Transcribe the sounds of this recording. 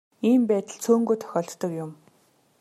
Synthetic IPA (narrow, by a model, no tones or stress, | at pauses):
iːmpæːt̪ə̆ɮt͡sʰoːŋɡujt̪ʰœ̥xʲɔːɮt̪ːə̆kjʊm